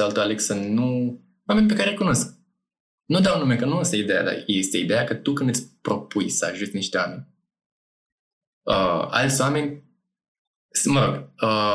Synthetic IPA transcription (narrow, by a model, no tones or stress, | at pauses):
alut̪oaleksənu | wame̞nʲp̬e̞kaɾeljkuno̞sk̚ | nud̪awnumekənuest̪əid̪eja̰d̪a̰jest̪əid̪ejakət̪ukɨnd̪at̪sʲpɾo̞pujsəa̰ʒut̪sʲniʃt̪e̞wame̞nʲ | əa̰lt̪sʲowame̞nʲ | sməɾo̞ɡə